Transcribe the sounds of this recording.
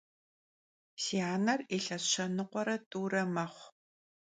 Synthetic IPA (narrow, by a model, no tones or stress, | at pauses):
siaːnɐreːɬɐɕɐnɨqʷɔɾɐtʼuːɾɐmɐχʷ